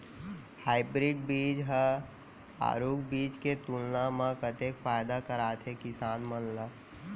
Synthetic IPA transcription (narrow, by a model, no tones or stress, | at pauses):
haːɪbɾiɖbiːd͡ʒɦə | a̰ːɾuːkbiːt͡ʃket̪ulnamãkət̪ekfaːjd̪akəɾaːt̪ʰekɪsaːnmənlə